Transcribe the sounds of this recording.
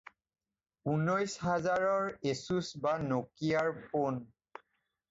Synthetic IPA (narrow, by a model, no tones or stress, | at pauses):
unɔjsɦazaɹɔɹesusbanokijaɹpon